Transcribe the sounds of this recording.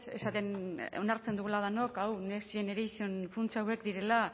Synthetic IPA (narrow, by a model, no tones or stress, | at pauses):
e̞̰sat̪e̞no̞naɾt͡send̪uɣulað̞ano̞kawnesie̞neɾejsionfunt͡sawe̞kd̪iɾe̞la